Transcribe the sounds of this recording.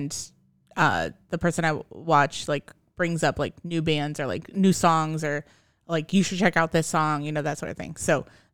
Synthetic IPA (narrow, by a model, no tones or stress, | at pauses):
n | ʌ̰ðɨpʰɜ˞sɨ̃ñaɪwɑt͡ʃlaɪk | b̥ɹɪ̃ŋzʌplaɪknʉbæ̃ndzə˞la̰ɪknʉsɔ̃ŋzə˞ | laɪkjɨʃɨd̚t͡ʃʰɛkaʊt̪̚ðɪsɔ̃ŋjɨnoʊðɨtsɔ̰ɹɾʌv̥θɪ̰̃ŋsoʊ